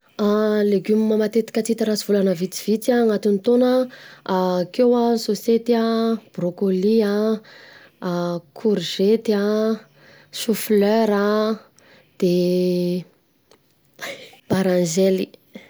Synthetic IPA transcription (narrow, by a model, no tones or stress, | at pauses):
aleɡumimamat̪et̪i̥kʲət͡sit̪iɾaziv̥ulanəvit͡si̥v̥it͡saŋat̪int̪onə | kewasoset̪iab̥rokolia | kʰuɾʒet̪ia | ʃufløɾa | d̪̥e | b̥aɾãnʒeli